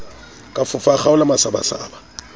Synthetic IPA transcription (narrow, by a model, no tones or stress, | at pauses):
kʼafʊfaχaʊlamasaba̰sa̰ːba